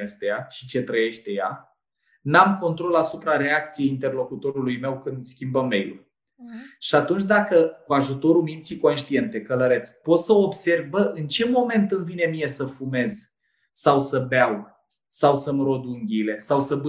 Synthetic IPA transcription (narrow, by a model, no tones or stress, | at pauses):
est̪ejaʃi̥t͡ʃe̞t̪ɾəje̞ʃt̪e̞ja̰ | namko̞nt̪ɾo̞lasupɾaɾe̞ak̚t̪sijeint̪e̞rlo̞kut̪o̞ɾulujme̞wkɨnd̪skʲimbəmːe̞̰jlṵl | ʃiat̪unt͡ʃd̪akəkuaʒut̪o̞ɾumint̪siko̞nʃt̪ie̞nt̪e̞kələɾe̞t̪spo̞t̪səobse̞rvbəʔɨnt͡ʃe̞mo̞me̞nt̪ɨnvine̞mije̞səfume̞z | sawsəbeaw | sawsəmɾo̞d̪uŋɡʲile̞sawsəbɨ